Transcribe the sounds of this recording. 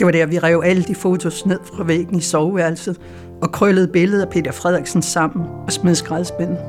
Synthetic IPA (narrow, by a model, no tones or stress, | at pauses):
d̥e̝ʋɑ̈ɾ̥æɐʋiʁɛʊæləd̥ifo̝ːt͡sʰo̝sne̝ð̞̰ˠfʁɑ̈ʋḛːɡ̥n̩isɒʊʋæɐlsð̩ˠ | ɒ̽kʰʁœləð̩ˠb̥e̝ləð̞̩ˠæpʰe̝̰ːd̥ɐfʁɛð̞̰ˠɛɡ̥sn̩sɑ̈m̰n̩ɒ̽smeðˠsɡ̥ʁɑðˠsb̥en̰̩ˠ